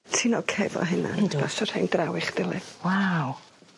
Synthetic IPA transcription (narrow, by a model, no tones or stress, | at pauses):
tʰiːnɔkʰɛvɔ̰ɦɪna̰ndɔsɔr̥hendrawɪχd̥ɪlˠɨ̥waw